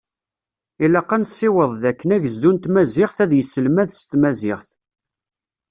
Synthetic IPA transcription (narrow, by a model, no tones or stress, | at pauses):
ilɑqːɑnsːɪwəðˤðækːənæʝəzd̪unt̪mæzɪχθæðjəsːəlmæðst̪mæzɪχθ